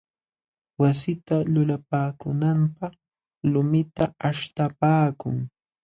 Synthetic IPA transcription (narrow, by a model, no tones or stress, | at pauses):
wasɪt̪alʊlapaːkʊnampɑχ | lʊmɪt̪aaʃt̪apaːkʊŋ